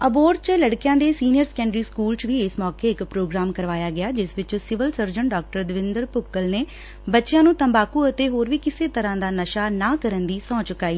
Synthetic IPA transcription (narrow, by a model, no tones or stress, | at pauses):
əboːɾt͡ʃləɽkɪjãːd̪eːsiːnijəɾsə̥kɛ̃ːɳɖɾiːskuːlt͡ʃʋiːɪsmɔːkeːɪkpɾoːɡɾaːmkəɾʋaːjaːɡɪaːd͡ʒɪsʋɪt͡ʃsɪʋəlsəɾd͡ʒəɳɖaːk̚ʈəɾd̪ɪʋɪnd̪əɾpʊkːəlneː | bətːʃɪjãːnũːt̪əmbaːkuːət̪eːɦoːɾʋiːkɪseːt̪əɾãːd̪aːnəʃaːnaːkəɾənd̪iːsɔ̃ːt͡ʃʊkːaːiː